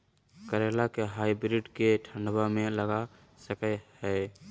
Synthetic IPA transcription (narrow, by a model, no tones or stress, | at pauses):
kəɾelakeɦaibɾiɖkeʈʰə̃ɳɖbamẽləɡa | səkɛhɛ